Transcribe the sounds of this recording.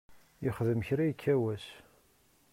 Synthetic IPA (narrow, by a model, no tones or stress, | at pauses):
jɪχðəmçɾæjkʰːæwæs